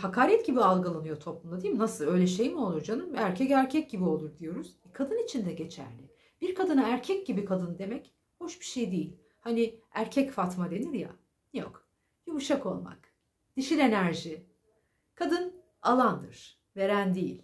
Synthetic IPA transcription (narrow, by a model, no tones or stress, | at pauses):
hakʰaːɾɛt̪ɟibialˠɡalˠanɯjo̞t̪ʰo̞plˠumd̪ˠad̪ijimnasɯlˠø̞jlʲɛʃejmio̞lˠuɾd͡ʒanɯmæɾcʰɛcæɾcʰɛc̚ɟibio̞lˠuɾd̪ijo̞ɾuz̥ɛkʰad̪ɯnit͡ʃʰind̪ɛɟe̞t͡ʃʰæ̰ɾlʲɪ | b̥iɾkʰad̪ɯnaæɾcʰɛc̚ɟibikʰad̪ɯnd̪e̞mɛc | ho̞ʃbi̥ʃejd̪ejilʲ | haniæɾcʰɛcfat̪mad̪e̞niɾja̰ | nijo̰k | jumuʃako̞lˠma̰k | d̪̥iʃilʲe̞næɾʒi | kʰad̪ɯn | alˠand̪ɯɾ̥ | ve̞ɾænd̪ijḭlʲ